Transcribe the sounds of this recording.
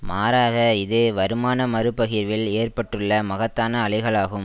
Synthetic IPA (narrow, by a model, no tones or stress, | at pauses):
maːɾaːɣɐɪðɯʋɐɾɯmaːnɐmɐɾɯpːɐɣɪɾʋɪleːrpɐʈːɯɭːɐmɐɣɐt̪ːaːnɐːɭɪɣɐɭaːɣɯm